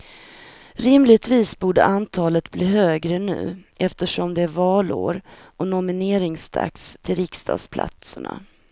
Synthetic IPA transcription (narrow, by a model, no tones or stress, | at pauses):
ɾɪmlɪɡ̚t̪viːsbuːɖə̰ʔant̪ʰɑːlət̪bliːɦøːɡɾənʉ̟̰ːʔɛft̪əʂɔmd̪ɛæɾvɑːlo̰ːɾ | ʔɔnɔmɪneːɾɪŋsd̪ʰa̰kst̪ʰɪlɾɪkst̪ʰɑ̰ːd̪spʰla̰t̪səɳa̰